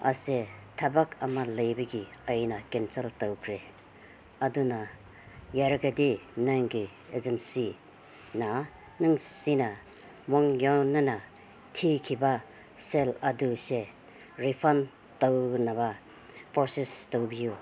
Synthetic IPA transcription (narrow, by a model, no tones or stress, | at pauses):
a̰setʰabakamalɐjbeɡiajnakensɐltawkʰɾe | aduna | jaɾaɡadinaŋɡi | ezensi | na | nɯŋsina | mɔŋjɔnana | tʰikʰiba | seladuse | ɾipʰan | tawnaba | pɔɾsistowbiju